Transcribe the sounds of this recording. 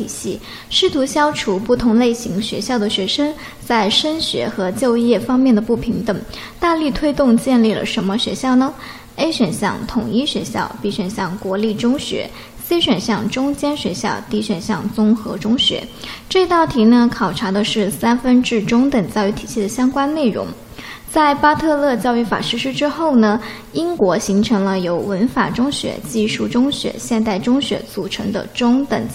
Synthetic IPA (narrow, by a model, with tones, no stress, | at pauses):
i˨˩ɕi˥˩ | ʂɻ̩˥˩t̪ʰu˧˥ɕjɑ˥ʊʈ͡ʂʰu˧˥pu˥˩t̪ʰʊ˧˥ŋle˥˩ɪɕi˧˥ŋɕɥɛ̰˧˥ɕjɑ˥˩ʊd̪ə˩ɕɥɛ˧˥ʂə˥ŋ | t͡sa˥˩ɪʂə˥nɕɥɛ̰˧˥xɤ˧˥t͡ɕjo˥˧ʊjɛ˥˩fɑ˥ŋmjɛ˥˩nd̪ə˩pu˥˩pʰi˧˥ŋt̪ə˨˩ŋ | t̪a˥˧ly˥˩t̪ʰwe˥ɪt̪ʊ˥˧ŋt͡ɕjɛ˥˧nli˥˩lə̰˩ʂə˧˥nmə˧ɕɥɛ̰˧˥ɕjɑ˥˩ʊnə˩ | e˥ɪɕɥɛ˨˩nɕjɑ̰˥˩ŋt̪ʰʊ˨˩ŋi˥˩ɕɥɛ˧˥ɕjɑ˥˧ʊpi˥˩ɕɥə˨˩nɕjɑ˥˩ŋkwɔ˧˥li˥˩ʈ͡ʂʊ˥ŋɕɥɛ̰˧˥ | si˥ɕɥə˨˩nɕjɑ˥˩ŋʈ͡ʂʊ˥ŋt͡ɕjɛ˥nɕɥɛ˧˥ɕjɑ̰˥˧ʊt̪i˧˥ɕɥə˨˩nɕjɑ̰˥˩ŋt͡sʊ˥ŋxɤ̰˧˥ʈ͡ʂʊ˥ŋɕɥɛ̰˧˥ʈ͡ʂɤ˥˧i˧˥t̪ɑ˥˩ʊt̪ʰi˧˥nə˧kʰɑ˨˩ʊʈ͡ʂʰa˧˥d̪ə˧ʂɻ̩˥˩sa˥nfə˥nʈ͡ʂɻ̩˥˩ʈ͡ʂʊ˥ŋt̪ə˨˩ŋt͡ɕa˥˩ɪy˧˥t̪ʰi̥˨˩ɕʰi˥˩d̪ə˩ɕjɑ˥ŋkwa˥nne˥˩ɪɻʊ̰˧˥ŋ | t͡sa˥˩ɪpa˥t̪ʰɤ˥˧lɤ˥˧t͡ɕjɑ˥˧ʊy˥˩fa̰˨˩ʂɻ̩˧˥ʂ̩˥ʈ͡ʂɻ̩˥xo˥˩ʊnə˩ | i˥ŋkwɔ˧˥ɕi˧˥ŋʈ͡ʂʰɤ˧˥ŋlə˧jo˧˥ʊwə˧˥nfa˨˩ʈ͡ʂʊ˥ŋɕɥɛ̰˧˥t͡ɕi˥˧ʂu˥˩ʈ͡ʂʊ˥ŋɕɥɛ̰˧˥ɕjɛ˥˧nt̪̬a˥˩ɪʈ͡ʂʊ˥ŋɕɥɛ̰˧˥t͡su˨˩ʈ͡ʂʰɤ˧˥ŋd̪ə̰˧ʈ͡ʂʊ˥ŋt̪ə˨˩ŋ